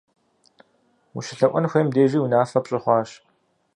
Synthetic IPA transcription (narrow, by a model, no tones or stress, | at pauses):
wuʃɪɬɐʔʷɔnxʷeːmdeːʒiːwunaːfɐpɕʼɪχʷɑːɕ